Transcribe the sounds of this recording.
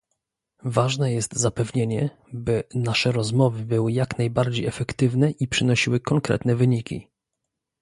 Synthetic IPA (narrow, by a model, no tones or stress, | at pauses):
vaʐnɛjɛst̪zapɛvɲeɲɛ | bɘnaʂɛɾɔzmɔvɘbɘwɘjaknajbaɾd͡ʑejɛfɛkt̪ɘvnɛʔipʂɘnɔɕiwɘkɔŋkɾɛ̰t̪nɛvɘɲikʲḭ